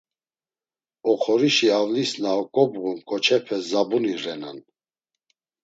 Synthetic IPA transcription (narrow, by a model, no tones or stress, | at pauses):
ɔχʰɔɾiʃiavlisnaɔkʼɔbʁumkʼɔt͡ʃʰɛpʰɛzabuniɾɛna̰n